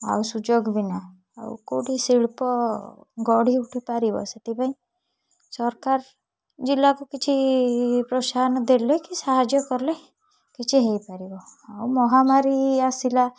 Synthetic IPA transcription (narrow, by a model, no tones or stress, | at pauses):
a̰usud͡ʒoɡbina | a̰w̰ko̰ɽisiɭpɔɡɔɽiuʈʰipaɾibɔ̰set̪ipãĩ | sɔɾkaɾ | d͡ʒilːakukit͡ʃʰipɾɔsanɔd̪elekisaɦad͡ʒjɔkɔɾle | kit͡ʃʰiɦejpaɾibɔa̰umɔɦamaɾiasila